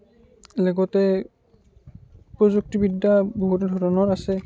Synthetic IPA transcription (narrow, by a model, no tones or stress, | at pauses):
lɛɡɔtɛ | pɹɔzuk̚tibidːaboɦutdʱɔɹɔnɔɹasɛ